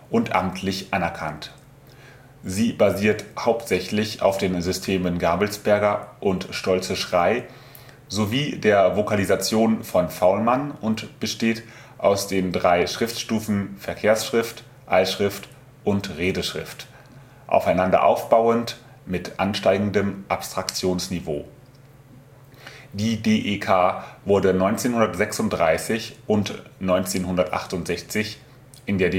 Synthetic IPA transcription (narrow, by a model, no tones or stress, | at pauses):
ʔʊntʔa̰mtʰlɪçʔanɛɐkʰant | ziːbaziːɐthaʊptz̥ɛçlɪça̰ʊfd̥eːnzʏstʰeːmənɡaːbl̩sb̥ɛɐɡɐʔʊntʃtɔlt͡səʃʁ̥aɪ | zoviːdeːɐvokʰalizat͡sjoːnfɔnfaʊlmanʊntb̥əʃteːt | ʔaʊsd̥eːndʁaɪʃʁ̥ɪftʃtuːfn̩fɛɐkʰeːɐsʃʁ̥ɪft | ʔalʃʁ̥ɪft | ʔʊntʁeːdəʃʁ̥ɪ̰ft | ʔa̰ʊfaɪnandɐ̰ʔa̰ʊfb̥aʊənt | mɪtʔanʃtaɪɡŋ̩dəmʔapstʁ̥akt͡sjoːnsnivo̰ː | d̥iːdeːʔekʰaːvʊɐdənɔʏnt͡seːnhʊndɐtz̥ɛksʊntd̥ʁaɪsɪçʔʊntnɔʏnt͡seːnɦʊndɐtʔa̰χtʊntz̥ɛçt͡sɪç | ʔɪndeːɐd